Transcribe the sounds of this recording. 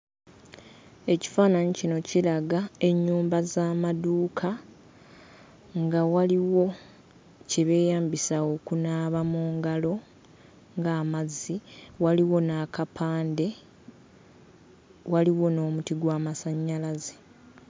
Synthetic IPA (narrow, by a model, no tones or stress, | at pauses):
e̞ci̥faːnaɲicino̞cilaɡae̞ɲːuːmbazaːmaduːkʰa | ŋɡawaliwo̞ | ceβe̞ːjaːmbisaokunaːβamuːŋɡalo̞ | ŋɡaːmazːiwaliwo̞naːkapʰaːnde̞ | waliwo̞no̞ːmutiɡwaːmasaɲːalaze